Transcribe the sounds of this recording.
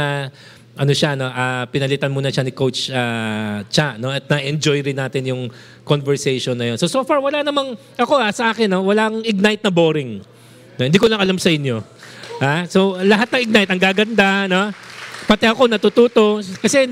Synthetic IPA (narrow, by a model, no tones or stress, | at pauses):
ɐ | ʔɐnoʃano̞ʔaːpɪnɐlɪt̪ɐnmuːnɐʃanɪko̞wt͡ʃaːt͡ʃano̞ʔɐt̪̚nɐʔɛnd͡ʒo̞jɾɪnːaːt̪ɪnjʊŋ | konvɛɹsɛjʃonːɐjo̞nsosoːfaɹwɐlanɐmaŋ | ʔɐko̞ʔasɐʔaːkɪnːo̞wɐlaʔŋɪɡ̚najt̪̚nɐboːɾɪŋ | noɪnd̪iːkolɐŋʔɐlamsɐʔɪnjo̞ | haso̞lɐɦat̪̚nɐŋɪɡ̚najt̪ɐŋɡaːɡɐnd̪ano̞pɐt̪ɛɐko̞nɐt̪ʊt̪uːt̪o̞kɐsɛ